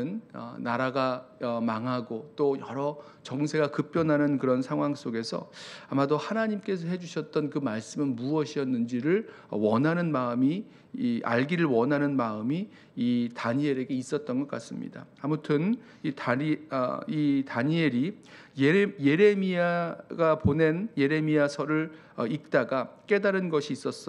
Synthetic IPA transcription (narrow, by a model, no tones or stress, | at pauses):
ɯnʌ̰naɾaɡamaŋɦaɡot͈ojʌɾʌ | t͡ɕʌŋsʰe̞ɡakɯp͈jʌnɦanɯnkɯɾʌnsʰaŋɦwaŋs͈oɡe̞sʰʌ̰amadohanaɲimk͈e̞sʰʌɦe̞d͡ʑuɕʰʌt̚t͈ʌnkɯmaɭs͈ɯmɯnmuʌɕʰiʌnːɯnd͡ʑiɾɯɭ | ʌwʌnɦanɯnmaɯmi | ʔa̰ɭɡiɾɯɭwʌnɦanɯnmaɯmiː | taɲie̞ɾe̞ɡe̞is͈ʌt̚t͈ʌnɡʌk͈as͈ɯmɲḭda̰ːmutʰɯn | i | itaɲie̞ɾi | jje̞ɾe̞miaɡapone̞nje̞ɾe̞miasʰʌɾɯɭ | ʌik̚t͈aɡak͈e̞daɾɯnɡʌɕʰiːs͈ʌs͈ʌ